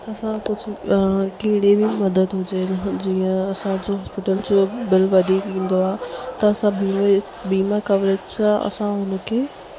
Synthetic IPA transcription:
ɐsãkʊd͡ʑʱɪkɐɦɪɽebɪmɐd̪əd̪ɦʊd͡ʑed͡ʑiːə̃ɐsãd͡ʑoɦɔːspɪʈəld͡ʑobɪlʋɐd̪ʱikĩːn̆d̪oaɦt̪ɐɐsãbiːm | biːmakɐʋɾed͡ʑsãɐ̰sãɦʊnə̆kʰeː

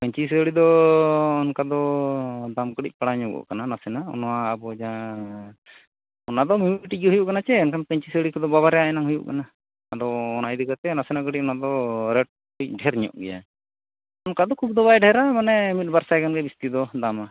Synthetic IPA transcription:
pəɲt͡ʃisəɽid̪ɔː | nkad̪ɔd̪amkəɽḭc̚ˀpaɽaɲɔɡɔ̰ʔkananasɛnaɔ̰nwaːbɔd͡ʒa | ɔnad̪ɔmjumiiʈiɡiɦujuʔkanat͡ʃɛɔnkʰanpəɲt͡ʃisəɽikad̪ɔbabaɾɛjaɛnaŋɦujṵʔkana | ad̪ɔːnajd̪ikat̪ɛnasɛnakəɽic̚ɔnad̪ɔɾɛʈ̚ | puic̚ˀɖʱɛɾɲɔ̰ʔɡɛja̰ | ɔnkad̪ɔkʰub̚d̪ɔbajɖɛɾamanɛmit̪̚baɾsajkanɡɛbist̪id̪ɔd̪ama

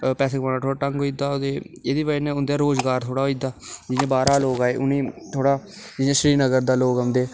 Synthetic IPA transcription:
pɛːseːɡʋãːnaːt̪ʰoːɽaːʈə̃ŋɡɦoːiːd̪aːod̪eːeːd̪iːʋənɛ̃ːʊnd̪aːɾoːzɡaːɾt̪ʰoːɽaːɦoid̪aːd͡ʒɪãːbaːɾaːloːɡaːeːʊnĩːt̪ʰoːɽaː | d͡ʒɪjãːʃɾiːnəɡəɾd̪aːloːɡəmd̪eː

